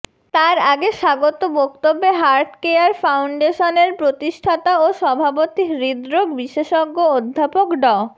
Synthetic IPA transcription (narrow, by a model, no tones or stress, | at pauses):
t̪aɾaɡeʃaɡot̪obɔkt̪obːeɦaɾʈkeaɾfawɳɖeʃoneɾpɾot̪iʃʈʰat̪aoʃɔbʱapot̪iɾid̪ɾokbiʃeʃɔɡːood̪ʱːapokɖɔ